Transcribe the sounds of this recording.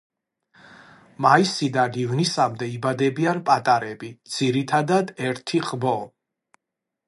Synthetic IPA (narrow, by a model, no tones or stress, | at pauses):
maisid̪aɡ̪ivnisamd̪ɛibad̪ɛbianpʼat̪ʼaɾɛbid̪z̥iɾit̪ʰad̪ad̪ɛɾt̪ʰiʁʼbɔ